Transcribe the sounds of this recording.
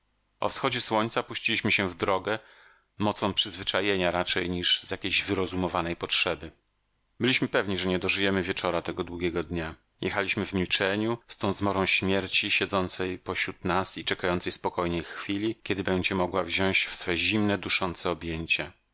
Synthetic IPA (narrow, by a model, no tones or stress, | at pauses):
ɔ̰fsxɔd͡ʑɛswɔɲt̪sapuɕt͡ɕilʲiɕmɘɕɛvd̪ɾɔɡɛ | mɔt̪sɔ̃w̃pʂɘzvɘt͡ʂajeɲaɾat͡ʂɛjɲiʐzjakʲejʑvɘɾɔzumɔvanɛjpɔtʂɛbɘ | bɘlʲiɕmɘpɛvɲiʐɛɲɛd̪ɔʐɘjɛmɘvʲjɛt͡ʂɔɾat̪ɛɡɔd̪wuɡʲɛɡɔd̪ɲa | jʔɛxalʲiɕmɘvmʲilt͡ʂɛɲust̪ɔ̃w̃zmɔɾɔ̃w̃ɕmʲjɛɾt͡ɕiɕɛd̪zɔnt̪sɛjpɔɕɾut̪nasit͡ʂɛkajɔnt̪sɛjspɔkɔjɲɛjxxfʲilʲikʲɛd̪ɘbɛɲd͡ʑɛmɔɡwavʑɔ̃w̃ɕt͡ɕfsfɛʑimnɛd̪uʂɔnt̪sɛɔbʲjeɲt͡ɕɛ